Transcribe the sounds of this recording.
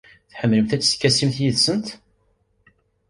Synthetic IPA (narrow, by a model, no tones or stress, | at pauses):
θħəmːləmθæt͡sːə̥kːæsimθjiðsənt̪